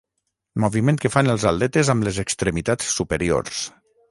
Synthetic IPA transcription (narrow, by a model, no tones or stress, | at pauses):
muβimẽnt̪kəfanəlˠzalˠd̪ɛt̪ezamlezəkst̪ɾemit̪at͡ssːupəɾio̰rs